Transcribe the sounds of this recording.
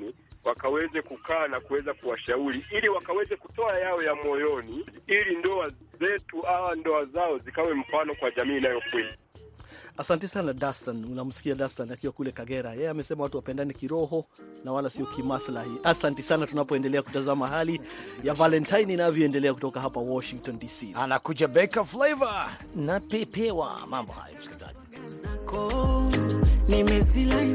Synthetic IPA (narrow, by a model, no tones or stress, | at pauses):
ni | wakawɛzɛkukaːnakuwɛzakuwaʃauɾiiliwakawɛzɛkutɔajaɔjamɔjɔniilindɔazɛtuawandɔazaɔzikawɛm̩fanɔkwaʄamiːnajɔkwɛna | asantɛsanadastanunam̩si̥kiadastanakiwakulɛkaɡɛɾajɛjɛamɛsɛmawatuwapɛndanɛkiɾɔɦɔnawalasiɔkimaslahiʔasantisanatunapɔɛndɛlɛaku̥tazamaɦalijavalɛntʰajninavjɔɛndɛlɛak̬utɔkaɦapawɔʃiŋk̚tɔndisianakud͡ʒabɛkaflajva | napɛpɛwa̰mambɔha̰ja̰m̩uskiliza̰ʄi | kɔ | nimɛzila